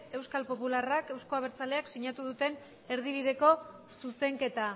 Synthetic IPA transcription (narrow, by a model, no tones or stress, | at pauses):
e̞wskalpo̞pularake̞wsko̞aβ̞e̞ɾt͡sale̞aksiɲat̪uð̞ut̪e̞n | e̞ɾðiβ̞iðe̞ko̞ | suse̞ŋke̞t̪a